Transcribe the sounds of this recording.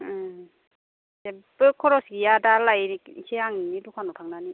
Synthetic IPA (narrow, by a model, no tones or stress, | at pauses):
sebɯkʰːɔɾɔsɡijadalajɾikiseaŋninidukʰanɔtʰaŋnani